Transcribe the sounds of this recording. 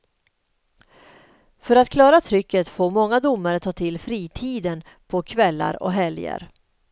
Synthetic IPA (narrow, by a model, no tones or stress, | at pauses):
fœɾat̪kʰlɑːɾat̪ʰɾʏkːət̪foːɾmɔŋːad̪ʊmːaɾət̪ʰɑːt̪ʰɪlfɾiːt̪ʰiːd̪ən | pʰɔkʰvɛlːa̰ɾɔ̰ɦɛljə̰ɾ